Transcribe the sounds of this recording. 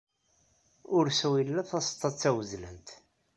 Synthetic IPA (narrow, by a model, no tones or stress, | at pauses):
ʊɾsæwilːæθɑst̪ˤːɑt͡sːæwəzlə̰nt̪